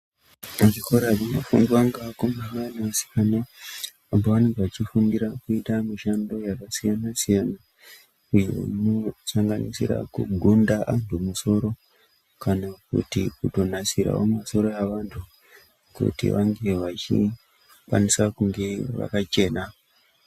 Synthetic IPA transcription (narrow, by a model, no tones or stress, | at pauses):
maʐikoɾaʐinafunduwaŋɡaakomeanaasi̥jana | amboʋane̞ŋɡeʋat͡ʃifundiɾakuitamiʃando̞jakasijanasijana | ujeṵnosaŋɡanisḭɾa̰kṵɡʱundaʔantʰumuso̞ɾo̞ | kanakṵtikuto̞nasiɾa̰o̰maso̞ɾo̞jaʋantʰu | kṵtḭʋaŋɡe̞ʋat͡ʃḭ | kwa̰nisakuŋɡe̞ŋ̰ʋa̰kat͡ʃe̞ːna